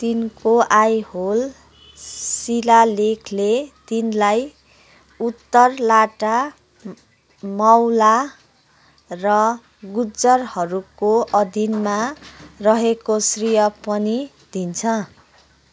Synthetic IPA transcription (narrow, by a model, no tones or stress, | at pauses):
t̪inkoʔajhol | silalekʰlet̪inlaj | ut̪ːʌrlaʈa | mʌwla | rʌ | ɡud͡zʌrhʌɾukoʔʌd̪ʱinmarʌɦekosrijʌpʌni | d̪̥ʱint͡sʰʌ